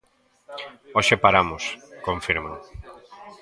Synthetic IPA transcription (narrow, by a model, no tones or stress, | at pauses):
oʃepaɾamʊskoɱfiɾmao